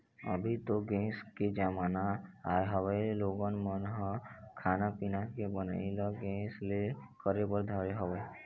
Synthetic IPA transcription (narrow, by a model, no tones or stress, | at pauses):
ə̰bʱit̪oɡẽːsked͡ʒamaːnaajɦəwəiloːɡənmənɦɔ̃kʰaːnapinakebənailɔɡẽːslekəɾebəɾd̪ʱəɾeɦəwəi